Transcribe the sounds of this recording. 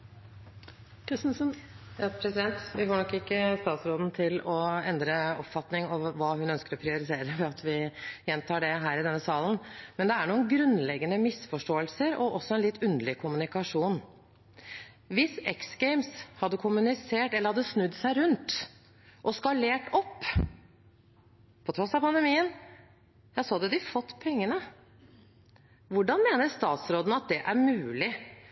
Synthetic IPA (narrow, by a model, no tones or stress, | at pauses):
kɾɪsn̩sənjɑpʰɾɛsɪd̪ɛnt̪ʋɪfɔɳɔkːɪkːəst̪ɑːt̪sɾoːd̪n̩t̪ʰɪlɔɛnd̪ɾəɔpfɑt̪nɪŋɑʋːɑːhʉnœnskəɾɔpʰɾɪʊɾɪt̪ʰeːɾəʋɛɑt̪ʰʋɪjɛnt̪ʰɑːɖɛɦæːɾɪd̪ɛnːəsɑːlənmɛnd̪ɛæɳuːənɡɾʉnːlɛɡənəmɪsfɔʂʈoːəlsəɾɔʔɔsːɔɛnlɪt̪ːʉnd̪əlɪkʰʊmʉnɪkɑʂuːn | ʋɪsɛksɡɛɪmshɑd̪ːəkʰʊmʉnɪseːʈɛlːəɾhɑd̪ːəsnʉd̪sæɪɾʉnt̪ | ʔɔskɑleːʈɔpː | pʰɔt̪ʰɾɔsːɑpɑnd̪ɛmiːən | jæsoːd̪əd̪ɪfɔt̪ːpʰɛŋːənə | ʋʊɖɑnmeːnəɾst̪ɑːt̪sɾoːd̪n̩ɑt̪̚d̪ɛʔæɾmʉːlɪ